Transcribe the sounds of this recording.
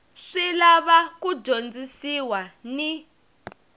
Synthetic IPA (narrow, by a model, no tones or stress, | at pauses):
ʂilaβakud͡ʒond͡zisiwani